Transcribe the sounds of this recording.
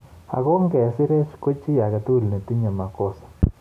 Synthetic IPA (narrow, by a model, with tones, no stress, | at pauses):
a̰˨ɣo˦ŋke˨si˦ɾe˦t͡ʃkʷi˦t͡ʃi˦ja˨ɡa˨t̪u˦˨lne˨t̪i˦ɲa˨ma˨ko˦sḁ˨